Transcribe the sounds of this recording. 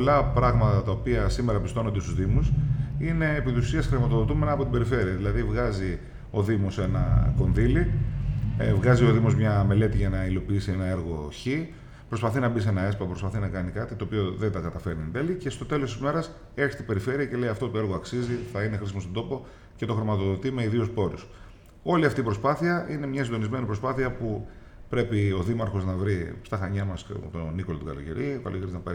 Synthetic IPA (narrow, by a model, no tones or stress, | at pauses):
olɐpɾɐɣmɐt̪ɐt̪ɐopiɐsime̞ɾɐpist̪o̞nond̪est̪uzðimusine̞ːpit̪isusiɐsxɾimɐt̪o̞ðot̪ume̞nɐːpo̞t̪ibe̞ɾife̞ɾiɐðilɐðivɣɐzi | o̞ðimose̞nɐ̰ko̞nðili | vɣɐzioðimozmɲɐme̞le̞t̪iʝɐnɐilo̞piisienɐe̞ɾɣo̞çi | pɾo̞spɐθinɐbis̬e̞nɐe̞spɐpɾo̞spɐθinɐkɐnikɐt̪it̪o̞ːpio̞ðend̪ɐɡɐt̪ɐfe̞ɾnind̪elice̞st̪o̞t̪e̞lo̞st̪izme̞ɾɐs | eçi̥st̪ibe̞ɾife̞ɾiɐce̞le̞iɐft̪o̞t̪oe̞ɾɣoɐksiziθɐinexɾisimost̪od̪o̞po | ce̞t̪o̞xɾimɐt̪oðot̪ime̞iðiospo̞ɾus | o̞liɐft̪iːpɾospɐθiɐʔine̞mɲɐsind̪o̞nizme̞nipɾo̞spɐθiɐpu | pɾe̞pio̞ðimɐɾxo̞znɐvɾist̪ɐxɐɲɐmɐst̪onikolot̪ukɐlo̞ʝḛɾikɐ̰lo̰eɾiznɐpɐ̰